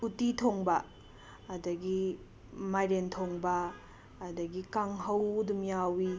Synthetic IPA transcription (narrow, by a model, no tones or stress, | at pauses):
utitʰoŋbɐː | dɐɡi | majɾentʰoŋbɐː | dɐɡikaŋɦɐwdumjawi